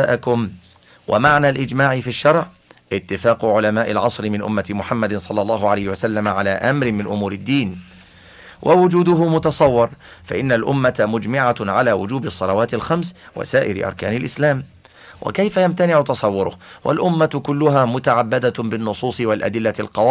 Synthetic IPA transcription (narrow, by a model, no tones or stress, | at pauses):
aːʔakʊm | wʔa̰maʕnaːlʔɪd͡ʒmaːʕɪfiʃːɑɾˤʕ | ʔɪt̪ːɪfaːqʊʕʊlamaːʔɪlʕɑsˤɾɪmɪnʔʊ̰mːat̪mʊħamːad̪ɪnsˤɑlːɑlˤːɑːhʊʕalajhɪwasalːamʕalaːʔamɾɪmɪnʔʊmuːɾɪd̪ːiːn | wʔawʊd͡ʒuːd̪ʊɦʊmʊt̪ɑsˤɑwːɪɾˤfa̰ʔɪnːalʔʊmːat̪mʊd͡ʒmɪʕaʕalaːwʊd͡ʒuːbɨsˤːɑlawaːt̪ɪlxamswa̰saːʔɪɾɪ̰ʔɑ̰ɾˤkaːnɪlʔɪslaːm | wʔa̰kajfajamt̪anɪʕʊt̪ɑsˤɑwːʊɾʊhwʔa̰lʔʊmːakʊlːʊɦaːmʊt̪aʕabːad̪abɪnːʊsˤuːsˤɨwalʔa̰d̪ɪlːalqɑwɑ